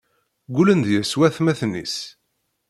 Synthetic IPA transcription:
ɡʷulənd̪jæswæθmæθnːḭs

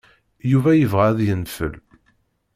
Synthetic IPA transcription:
juvæjəvʁæðjənfə̰l

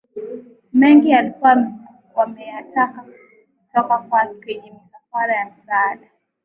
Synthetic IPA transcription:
mɛŋɡialikuam | wamɛjataka | kutɔkakwakwɛɲɛmisafaɾajam̩saːɗa

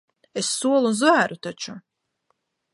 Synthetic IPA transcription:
esːuɔlˠunzvæːɾut̪at͡ʃu

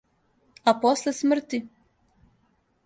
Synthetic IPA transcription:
aposlesmr̩t̪i

